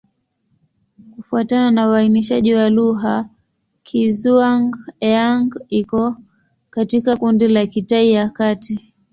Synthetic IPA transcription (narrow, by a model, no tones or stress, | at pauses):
kufuatananawainiʃaʄiwaluɦa | kʰizuaŋɡaŋɡikɔ | katikakundilakitaijakati